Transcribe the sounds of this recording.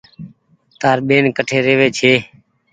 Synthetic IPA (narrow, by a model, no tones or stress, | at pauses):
t̪aːɾɓeːnkəʈʰeːɾeːʋeːt͡ʃʰeː